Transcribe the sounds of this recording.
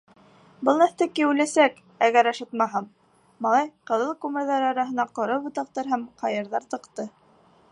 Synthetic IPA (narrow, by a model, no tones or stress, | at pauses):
bɤlˠnæθt̪ækiʉlæsæk | æɣæɾɑʃɤt̪mɑɦɑmː | ɑlˠɑjqɤ̆ðɤlˠkʉmɘ̆ɾðæɾɑɾɑɦɤ̆nɑqŏɾɤbŏt̪ɑq̚t̪ɤɾɦæmqʰɑjɤ̆ɾðɑɾt̪ɤ̆qt̪ɤ